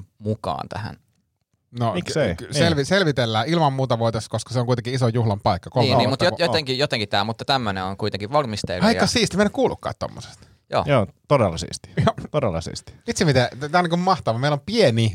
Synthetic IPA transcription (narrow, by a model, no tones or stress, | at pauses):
mukɑ̰ːnt̪æ̰hæ̰n | nomikeikselʋiselʋit̪elːæːilmɑmmuːt̪ɑʋoet̪esːkoskɑ̥seoŋkuit̪ekiisojuhlɑmpɑikːɑkoliːmeniːmut̪jjot̪eŋkijot̪eŋkit̪æ̰ːmut̪ːɑt̪æmːøneoŋkuit̪eŋkiʋɑlmist̪ḛlɑijkːɑsiːst̪imenːækuːlṵkːɑ̰ːt̪t̪o̰mːo̰se̥st̪ | jo̰ːjoːt̪odelːɑsḭːst̪i̥jot̪odelːɑ̰sḭːstt̪i̥it̪simit̪et̪t̪æːoniːkummɑht̪ɑʋɑmeilompieni